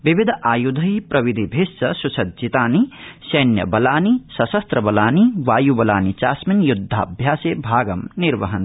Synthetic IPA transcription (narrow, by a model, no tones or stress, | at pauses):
bibid̪ʱaːjud̪ʱəjiprɐwid̪ʱibʱisɐsusʰɐd̪̚t͡ʃit̪aːnisɐjnjɐ̰bɐlaːnisɐsɐst̪rɐbɐlaːniʋaːjubɐlaːnit͡saːsminjud̪ʱːabʱjaːsebʱaːɡɐmniɾʋɐɦən